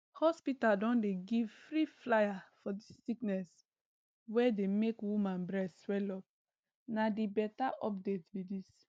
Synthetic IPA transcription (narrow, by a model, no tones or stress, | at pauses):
hɔspitaldɔ̃ndeɡivfɹiflajafɔdisːiknɛs | wɛdemekwumãnbɹɛwɛlɔp̚ | nadibɛtaʔɔp̚detbidis